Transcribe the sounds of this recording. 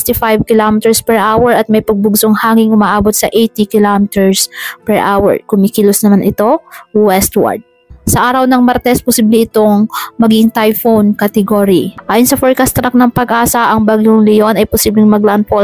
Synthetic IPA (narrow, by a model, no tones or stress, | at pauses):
t̪ifajbkɪlomɪt̪ɛɹspɛɹʔaːwɛɹɐt̪̚mɐjpɐɡ̚bʊɡsoŋhaːŋɪŋʔʊmaʔaːbot̪̚sɐʔejt̪ikɪlomɪt̪ɛɹspɛɹʔawɛ̰ɹkʊmikilosnɐmanɪt̪o̞wɛst̪wa̰ɹd̪̚ | sɐʔaːɾɐwnɐŋmɐɾt̪ɛspʊsiːblɛɪt̪o̞ŋmɐɡiŋt̪ajfownkɐt̪ɛɡoːɾiʔaːjʊnsɐfoɹkast̪ɾɐk̚nɐŋpɐɡʔaːsɐʔɐŋbaɡjʊŋlɪjo̞nɐjpʊsiːblɪŋmɐɡ̚lanpo